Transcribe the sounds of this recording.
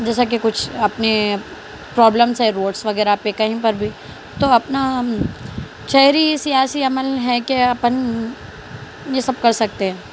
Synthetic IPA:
d͡ʒɛːsak̬ekʊt͡ʃʰɐpne | pɾɔːbləmsɦɛ̃ɾoːɖsʋɐɡɛːɾapːekɐɦĩpɐɾbʱi | t̪oɐpna | ʃɐɦɾisijaːsiɐməlɦɛkeɐpən | jesɐb̚kɐɾsɐk̚t̪ẽɦɛ̃ː

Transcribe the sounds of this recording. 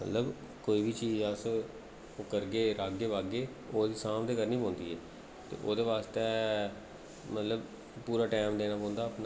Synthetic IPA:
mə̰t̪ləb | koːiːbʱiːt͡ʃiːzaːs | ʊkəɾɡeːɾaːɡeːʋaːɡeː | oːd̪iːsaːmd̪eːkəɾniːpɔ̃ːnd̪iːɦɛː | t̪ḛːʔoːd̪eːʋaːst̪eː | mət̪ləb | puːɾaːʈɛːmd̪eːnaːpɔ̃ːnd̪aːəpna

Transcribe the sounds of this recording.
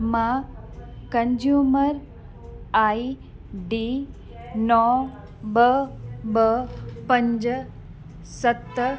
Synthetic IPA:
mã | kɐnd͡ʒjuːməɾ | aːi | ɖiː | nɔ | bəbəpɐ̃ɲd͡ʒ | sɐt̪ː

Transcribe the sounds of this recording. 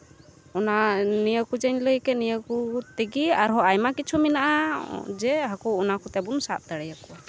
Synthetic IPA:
ɔnanijəkud͡ʒəɲləjkɛnijəkut̪ɛɡiaɾɦɔajmakit͡ʃʰumɛnaʔad͡ʒɛɦakɔɔnakut̪ɛbunsaʔ̚d̪aɽɛjakɔwa

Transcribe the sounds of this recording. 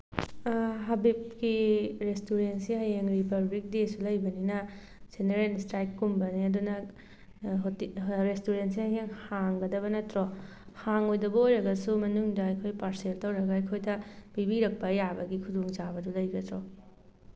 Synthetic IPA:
ɦabip̚kiɾestuɾentsiɦɐjeŋɾipɐɾbik̚desulɐjbɐninɐ | z̥eneɾelstɾajkːumbɐniɐdunɐ | ɦtɾestuɾentsihɐjeŋhaŋɡɐdɐβɐnɐtɾo | haŋojdɐbɐojɾɐɡɐsumɐnuŋdɐːjkʰojpaɾseltɐwɾɐɡɐɐjkʰojdɐb̥ibiɾɐk̚pɐːjabɐɡikʰudoŋd͡ʒabɐdulɐjɡɐtɾo

